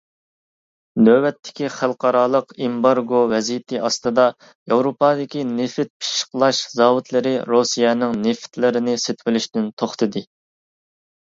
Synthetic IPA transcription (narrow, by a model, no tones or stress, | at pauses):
d̪øwɛt̪ʰːɪ̥kʲiχælˠqɑɾɑːlˠəqimbɑɾɡovɛzijt̪ʰɪʔɑst̪ɨd̪ɑ | jewɾopɑːd̪ɪkʲinefɪt̪̚pʰi̥ʃqlˠɑʃzɑːwut̪lˠɪɾɪɾosijɛnɪŋneft̪lɪɾɪnɪset̪ʰvɪlyʃd̪ynt̪ʰoχt̪ɨd̪ɨ